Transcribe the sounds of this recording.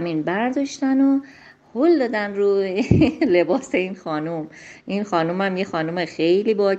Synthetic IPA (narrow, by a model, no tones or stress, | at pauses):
minbæɾd̪ɒʃt̪æno | hold̪ɒːd̪ænɾu | le̞bɒːse̞inxɒːnumʔinxɒːnumæmjexɒːnumexe̞jliːbɒː